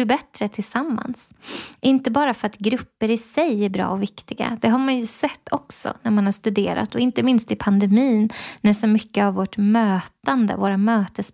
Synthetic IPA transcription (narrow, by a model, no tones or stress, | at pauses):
ɪbɛt̪ɾət̪ʰɪlsamːa̰nsʔɪnt̪əbɑːɾafœɾat̪ɡɾɵpːəɾɪsɛjæɾbɾɑ̰ːɔvɪkt̪ɪɡa̰d̪̥ɛɦaɾmanjɵsɛt̪ʰːɔksɔ̰næɾmanhaʂt̪ɵd̪ḛːɾa̰t̪ʰɔɪnt̪əmɪnst̪ɪpʰand̪ɛmiːnnæʂɔmʏkːəavːoʈmøːt̪and̪ə̰voːɾamøːt̪əs